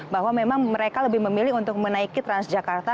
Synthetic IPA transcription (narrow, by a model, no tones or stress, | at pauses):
baɦwamemaŋməɾekaləbɪhməmilɪɦunt̪ʊk̚mənaikit̪ɾansd͡ʒakart̪a